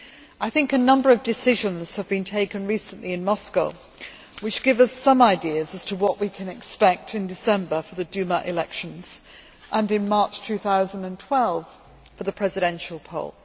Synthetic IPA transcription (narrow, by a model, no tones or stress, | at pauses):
aɪθɪ̃ŋkɨnʌ̃mbə˞ʌvdɨsɪʒə̃nz̥əvbĩntʰeɪkɨ̃nɹisə̃nʔliɨ̃nmɒskəʊ | wɨt͡ʃɡ̥ɪvʌzʌ̃maɪdiəzəz̥tʰəwɒʔwikʰɨ̃nɨkspɛk̚tʰɨ̃ndɨsɛ̃mbəfəðɨdʉməʔɪlɛkʃə̃nz̥ | ʔə̃nɨ̃nmɑˑɹt͡ʃtʰʉθaʊzə̃ndə̃ntʰw̥ɛlˠv̥ | fəðəpʰɹ̥ɛzɨɾɛ̃nʃəl̩ˠpʰo̰ʊlˠ